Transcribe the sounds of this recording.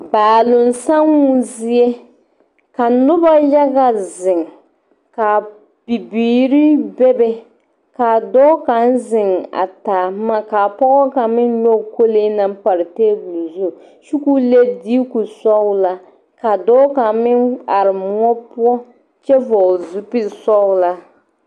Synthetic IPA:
baː˨lʊ˨n˨sa˦ŋu˦zi˦e˦ | ka˨nʊ˦ba˦ja˦ɡa˨zɪ˨ŋ˨ | ka˨ | b̥i˨biː˨ɾi˦bɛ˦bɛ˦ | ka˨dɔː˦ka˨n˦zɪ˨ŋa̰˨ta˨ma˦˨ka˨pɔ˦ɣɔ˦ka˨mɪ˦njɔ˦˨ko˦leː˦na˦m˦pa˨ɾɪ˨teː˦bu˨lu˨zu˦˨ | ʃu˦ku˦le˦di˦ku˨sɔ˦la˦ | ka˨dɔː˦ka˨mɪ˦na˨ɾɪ˨mʊ˦ɔ˦pu˦ɔ˦ | t͡ʃɛ˦vɔ˨zu˨pi˦˨sɔ˦la˦

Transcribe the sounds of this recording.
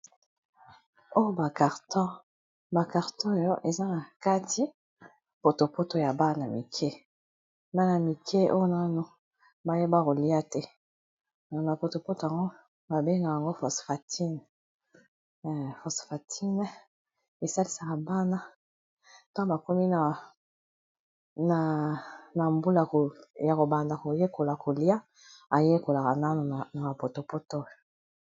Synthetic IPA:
o˦jo˦ba˨ka˨ʁtɔ̃˦ | ba˨ka˨ʁtɔ̃˦o˨jɔ˦ʔe˨za˦na˨ka˦ti˦ | po˨to˨po˦to˨ja˨ba˦na˨mi˨kʰɛ˦ | ba˦na˨mi˨kʰɛ˦ʔo˦jo˦na˦no˦ | ba˦je˦ba˦ko˨li˦a˦tɛ˦ | ɔ˨na˨po˨to˨po˦to˨a˨ŋɡo˦ | ba˨be˦ŋɡa˨ja˨ŋɡo˦fɔ˨sfa˨tʰi˦n˨ | fɔ˨sfa˨tʰi˦nɛ˦ | e˨sa˦li˦sa˨ka˨ba˦na˦˨ | ta˦o˦ba˨ko˦mi˦na˨ | na˨na˨mbu˦la˨ko˨ja˨ko˨ba˨nda˨ko˨je˦ko˨la˨ko˨li˦a˦ | a˨je˦ko˨la˨ka˨na˦no˨na˨ma˨po˨to˨po˦to˦jo˨

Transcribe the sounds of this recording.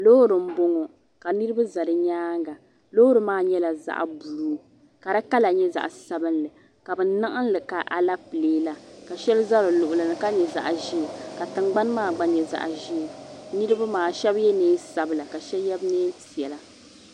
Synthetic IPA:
loː˦ɾɨ˨m̩˦bo˦ŋɔ˨ | ka˨nɨ˦ɾɨ˦ba˦za˨ɾɨ˦ɲaː˦ŋɡa˨ | lo˦ɾɨ˨maː˦ɲɛ˦la˨za̰˦ʔbu˨ɾː | ka˨ɾa˦ka˦la˨ɲɛ˦za̰˨ʔsa˦bɨ˦nlɨ˨ | ka˨bɛ˨na˦ʔɨ˦n˦lɨ˨ka˨ʔa˨la˦pɨ˨leː˦la˨ka˨ʃɛ˦lɨ˦za˦lɨ˨lʊ˨ʔʊ˨lɨ˨nɨ˨ka˦ɲɛ˨za̰˨ʔʒi˦˨ka˨tɨ˨ŋ͡mɡ͡ba˦n˦maː˦˨ɡ͡ba˦ɲɛ˨za̰˨ʔʒi˦˨nɨ˦ɾɨ˦ba˦maː˨ʃɛ˦bjɛ˦neː˦sa˨˦bɨ˨la˨ka˨ʃɛ˦jɛ˦bneː˦ti˨ɛ˨la˦

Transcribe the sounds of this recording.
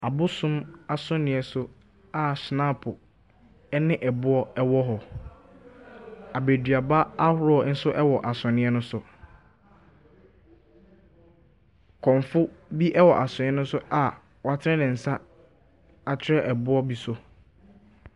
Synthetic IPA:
a˨bʊ˦sʊ̃˦ma˨sʊ̃˦nɪ̃˨ɛ˨sʊ˦ | a˨snã˦pʰʊ˨ | ɛ˦nɪ̃˦ʔɛ˨bʊ˦ɔ˦ɛ˦wɔ˦ɦɔ˨ | a˨be˨dɥa˨ba˦a˦hʊ˦ɾɔ˨˦n̩˦sʊ˦ʔɛ˦wɔ˨ʔa˨sʊ̃˨nɪ̃˦ɛ˦nʊ̃˦sʊ˨ | kʰɔ̃˨ɱ˨fʊ˦bi˦ʔɛ˦wɔ˨ʔa˨sʊ̃˨n˨ɛ̃˦nʊ̃˦sʊ˦ʔa˨ | wɔ˨a˨tʰɪ˦ɾɛ̃˦nɪ̃˨n̩˨sa˦ | a˨t͡ɕʰᶣɪ˦ɾɛ˦ʔɛ˨bʊ˦ɔ˦bi˦sʊ˦

